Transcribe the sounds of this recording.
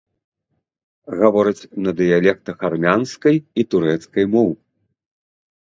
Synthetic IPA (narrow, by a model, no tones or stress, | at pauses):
ɣavɔɾɐt͡sʲnɐd̪ɨjalʲɛk̚t̪ɐxarmʲanskɐjit̪uɾɛt̪skɐjmɔw